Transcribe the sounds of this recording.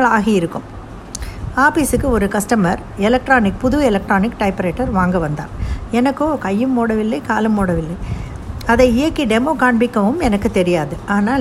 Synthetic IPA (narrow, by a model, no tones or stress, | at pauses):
ɐɭaːɣiɪɾɯkːɯm | aːpiːsɯkːɯɔɾɯkɐsʈɐmɐɾ | ɛlɐk̚ʈɾaːnɪk̚pʊðʊɛlɐk̚ʈɾoːnɪkːʈɐɪpɾeːʈːɐɾʋaːŋɡɐʋɐnd̪a̰ːɛnɐkːoːkɐjːɯmːoːɽɐʋɪlːɐkaːlɯmːoːɽɐʋɪlːɐɪ | ɐðɐɪɪjɐkːiɖɛmoːkaːɳbɪkːɐʋɯmɛnɐkːɯt̪ɛɾɪjaːðɯaːnaː